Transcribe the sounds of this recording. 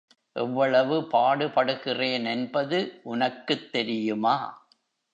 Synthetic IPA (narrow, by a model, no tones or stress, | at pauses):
ʔɛʋːɐɭɐʋɯpaːɽɯpɐɽɯɣɪreːnɛnbɐðɯʔʊnɐkːɯt̪ːɛɾɪjɯmaː